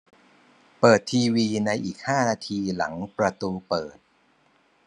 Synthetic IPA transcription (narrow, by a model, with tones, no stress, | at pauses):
pɤː˨˩t̪ʰːiː˧wiː˧na˧jʔiː˨˩k̚haː˥˩naː˧t̪ʰiː˧la̰˩˦ŋpɾa˧t̪uː˧pɤː˨˩t̪̚